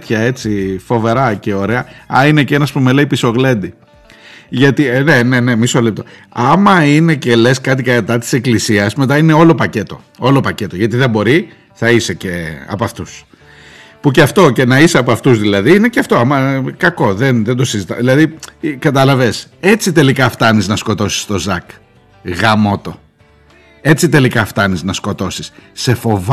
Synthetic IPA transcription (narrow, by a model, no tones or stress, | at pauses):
t̪çɐe̞t͡sifo̞ve̞ɾɐce̞o̞ɾe̞ɐɐinecenɐspume̞le̞ipiso̞ɣle̞nd̪i | ʝɐt̪ine̞nene̞misolip̚t̪o | ɐmɐine̞ce̞le̞skɐt̪̬ikɐɐt̪ɐt̪i̥se̞klisiɐsme̞t̪ɐine̞o̞lo̞pɐce̞t̪o̞̰ | o̞lopɐce̞t̪o̞ʝɐt̪iðe̞bo̞ɾi | θɐise̞ce̞ɐ̰pɐft̪us | puceɐft̪o̞ce̞nɐiseɐpɐft̪uzðilɐðiine̞ceɐft̪o̞ɐmɐkɐko̞ðenðend̪o̞sizit̪ɐðilɐðikɐt̪ɐlɐve̞se̞t͡sit̪e̞likɐft̪ɐniznɐsko̞t̪o̞si̥st̪o̞zɐk | ɣɐmo̞t̪o̞ | e̞t͡sit̪e̞likɐft̪ɐniznɐsko̞t̪o̞sisse̞fo̞v